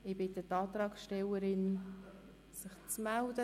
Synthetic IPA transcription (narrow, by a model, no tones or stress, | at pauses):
ɪbɪtətɑːt̪ɾɑːkʃtɛwəɾɪn | sɪχt͡smældə